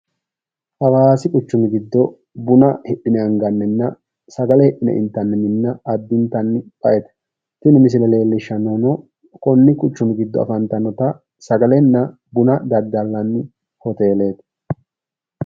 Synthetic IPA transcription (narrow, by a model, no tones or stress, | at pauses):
ʔɐwaːsɪkʼʊt͡ʃːʊmɪɡɪd̪ːɔ | bʊnɐhɛɗːɪnɛɐŋɡɐnːɛnːɐ | sɐɡɐlɛhɛʔɪnɛ̰ʔɪ̰nt̪ːɐnːɛmɪnːɐɐd̪ːɪnt̪ːɐnːpʼɐʔɛt̪ɛ̥ | t̪ɪnɪmɪs̬ɪlɛle̞ːlːɪʃːɐnonɔ | kʼɔnːɪkʼʊt͡ʃːʊmɪɡɪd̪ːɔ̰ɐ̰fɐnt̪ɐnɔt̪ɐ | sɐɡɐlɛnːɐ | bʊnɐd̪ɐd̪ːɐlːɐnː | hɔt̪e̞ːle̞ːt̪